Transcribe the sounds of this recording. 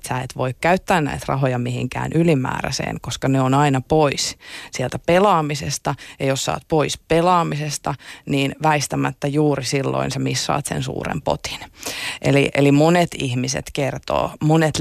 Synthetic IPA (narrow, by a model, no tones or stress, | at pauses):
t̪sæet̪ʋoikkæyt̪ːæːnnæ̰it̪rɑ̰ɦojɑmihiŋkæ̰ːnʔylimæ̰ːræ̰sḛːŋkoskɑneonɑinɑpoissielt̪æpelɑːmisest̪ɑjɑjossɑ̰ːt̪̚poispelɑːmisest̪ɑniːnʋæist̪æmæt̪ːæjuːɾisilːo̰insemisːɑ̰ːt̪sḛnsṵːrḛmpo̰t̪i̥nʔḛlḭʔelimonet̪ihmisḛt̪kert̪o̰ːmonet̪